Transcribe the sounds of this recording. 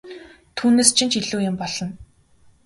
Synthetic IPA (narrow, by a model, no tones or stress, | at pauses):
t̪ʰuːneːst͡ɕʰint͡ɕiɮuːjɪmpɔɮɞ̆n